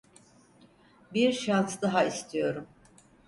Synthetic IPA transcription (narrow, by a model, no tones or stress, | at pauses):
biɾʃansd̪aɦaist̪ʰijo̞ɾum